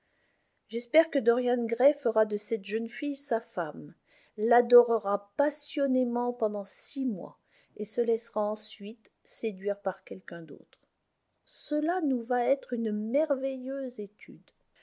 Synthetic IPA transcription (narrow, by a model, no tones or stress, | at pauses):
ʒɛspɛʁkəd̪ɔʁjanɡʁɛfəʁad̪əsɛt̪ʒənfijsafam | lad̪ɔʁəʁapasjɔnemɑ̃pɑ̃d̪ɑ̃simwa̰ | esəlɛsʁaɑ̃sɥit̪ | sed̪ɥiʁpaʁkʲɛlkʲɛ̃d̪o̰t̪χ | səlanuvaɛt̪χynmɛʁvɛjøzet̪ʰyd̪